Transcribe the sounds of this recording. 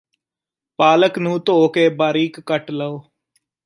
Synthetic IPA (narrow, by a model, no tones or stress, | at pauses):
paːləknũːt̪oːkeːbaːɾiːkːəʈləoː